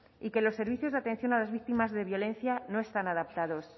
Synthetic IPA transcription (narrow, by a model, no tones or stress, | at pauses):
ike̞lo̞sːe̞ɾβiθjozðat̪e̞n̟θjo̞nalazβik̚t̪imazðe̞βjo̞le̞nθjano̞e̞st̪anaðap̚t̪aðo̞s